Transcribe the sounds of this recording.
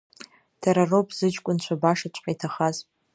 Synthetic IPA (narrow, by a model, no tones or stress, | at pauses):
d̥ʰaɾarowpʼz̥ɨt͡ʃkʷʼʊnt͡ɕʷʰabaʂat͡ʃʷʼqʼajtʰaχaz